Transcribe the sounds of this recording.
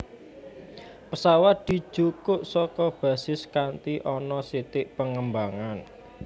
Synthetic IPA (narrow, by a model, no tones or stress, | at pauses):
pəsawat̪̚d̪̥i̤̥ʒ̥ukʊʔsɔkɔb̥ä̤sɪskant̪iʔɔnɔsit̪ɪʔpəŋəmbaŋan